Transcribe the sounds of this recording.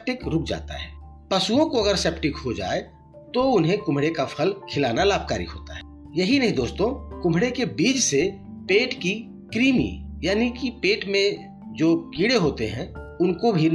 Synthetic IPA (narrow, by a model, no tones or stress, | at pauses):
p̚ʈɪkɾʊk̚d͡ʒa̰ːt̪a̰ɦɛː | pɐsuõkoɐɡəɾseːpʈɪkɦod͡ʒa̰ːe | t̪oʊnɦẽkʊ̃m̤ɽekapʰəlkʰɪlaːnalaːb̚ka̰ːɾḭɦo̰ːt̪a̰ɦɛː | jɐɦinɐɦĩd̪oːst̪õkʊ̃m̤ɽekebiːd͡ʒse | peːʈki | kɾiːmḭjaːnikipeːʈmẽ | d͡ʒoːkiːɽeɦoːt̪eɦɛ̃ʊnkobʱin